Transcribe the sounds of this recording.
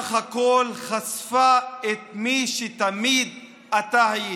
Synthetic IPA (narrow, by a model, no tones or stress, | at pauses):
χhako̞lχasfaet̪̚miʃet̪amid̪ | at̪ahaji